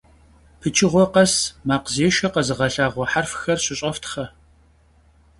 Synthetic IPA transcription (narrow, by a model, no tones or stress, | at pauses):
pʰɨt͡ʃʰɪʁʷɔqɐsmaːqzeːʃɐqɐzɨʁɐɬaːʁʷɔħarfxɐrɕɪɕʼɐftʰχɐ